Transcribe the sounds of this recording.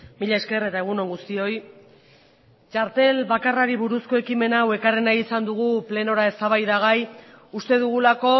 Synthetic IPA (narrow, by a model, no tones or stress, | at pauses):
miʎae̞ske̞ret̪ae̞ɣ̞uno̞ŋɡust̪io̞j | t͡ʃaɾt̪e̞lβakaraɾiβuɾusko̞e̞kime̞nawe̞karenajisand̪uɣ̞uple̞no̞ɾae̞st̪aβajðaɣ̞aj | ust̪e̞ðuɣulako̞